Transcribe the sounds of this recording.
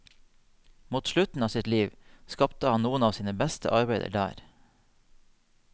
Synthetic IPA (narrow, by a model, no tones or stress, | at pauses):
muːt̪ʃlʉt̪n̩ɑːsɪt̪liːʋskɑpt̪əhɑnnuːənɑːʋsiːnəbɛst̪ʰə̰ʔɑɾbæɪd̪ə̰ɖæ̰ːɾ